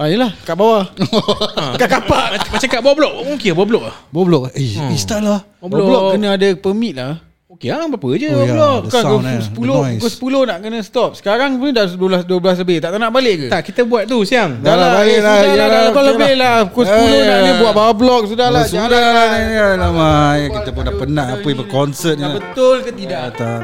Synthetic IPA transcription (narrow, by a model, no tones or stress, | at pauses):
ajəlahkaʔbawa | kakapaʔmat͡ʃaŋkaʔ̚bawaʔblɔk̚okibawablɔk̚lahbawablɔk̚ist̪ala | bɔblɔkkːənəadapəmĩt̪̚la | okeabapəd͡ʒəbablɔkkansəpulokʊsə̥pulohnaʔkənəsət̪ɔp̚sə̥kaɾaŋunədadəblasduəblas̬ləbɪht̪aʔt̪anaʔbaleʔkt̪aʔkit̪əbuat̪̚t̪usiaŋdalabalelaaakoləbɪhlahukʊspuloadəbuaʔ̪̚bawablɔk̚sudahlasaulalanaalamajkit̪əpʊndaʔpənaʔapəbəkɔnsət̪̚abət̪ʊlkət̪idat̪a